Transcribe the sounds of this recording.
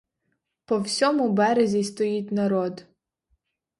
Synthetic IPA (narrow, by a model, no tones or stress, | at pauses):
pɔwsʲɔmʊbɛɾezʲist̪ɔjitʲnɐɾɔd̪